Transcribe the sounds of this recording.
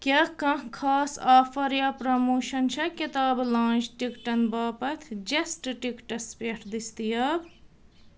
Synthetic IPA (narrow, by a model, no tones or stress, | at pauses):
kɐkɐ̃ɦkʰːaːsaːfʰɐɾjɐpɾɐmoːʃɐnt͡ʃʰɐket̪aːblãːnt͡ʃʈikʈɐnbɐːpɐt̪ʰd͡ʒesʈʈikʈɐspeʈʰd̪ist̪ijɐb